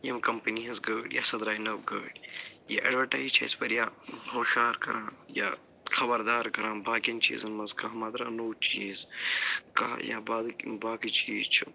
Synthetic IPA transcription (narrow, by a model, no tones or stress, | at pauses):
jɐmkɐmpɐniɐzɡəːɖja̰ːsɐd̪ɾaːinɐbɡəːɖja̰ʔɐ̰ɖʋɐʈaːizt͡ʃʰɐ̰ispɐɾjaɦoːʃaːɾkɐ̰ɾʔãːja̰ː | xɐbɐɾd̪aːɾkɐɾãːbaːkɐnt͡ʃḭːzɐnmɐzkaɦɐmaːd̪ɾaːnoːt͡ʃiːz | ka̰ːja̰baːd̪baːkit͡ʃiːzt͡ʃʰu